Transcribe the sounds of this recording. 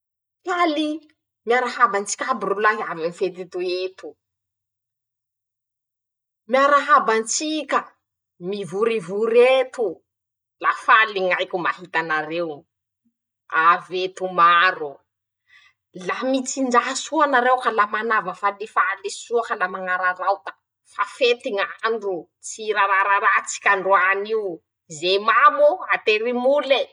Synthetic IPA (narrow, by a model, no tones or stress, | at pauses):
kali | miaɾahabant͡si̥kʲabrulaɦiavimifet̪it̪uet̪u̥ | miaɾaɦabant͡sikʲə | mivuɾivuɾet̪u | lafaliŋajkʲumahit̪anaɾew | avet̪umaɾu | lamit͡sind͡ʒaɦasuanaɾewkalamanavəfalifalisuakalamaŋaɾaɾawt̪ə̥ | fafet̪iŋaɳɖ͡ʐu | t͡siɾaɾaɾaɾat͡si̥kʲaɳɖ͡ʐoaniw | zemamuat̪eɾimule